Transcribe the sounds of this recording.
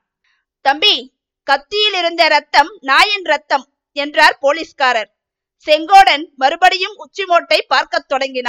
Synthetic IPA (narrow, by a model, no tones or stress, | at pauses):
t̪ɐmbi | kɐt̪ːɪjɪlɪɾɯnd̪ɐɾɐt̪ːɐmnaːjɐnɾɐt̪ːɐm | ɛndraːɾpoːliːskaːɾɐɾ | sɛŋɡoːɽɐnmɐɾɯbɐɽɪjɯmʊt͡ʃːɪmoːʈːɐɪpːaːɾkɐt̪ːɔɽɐŋɡɪnaː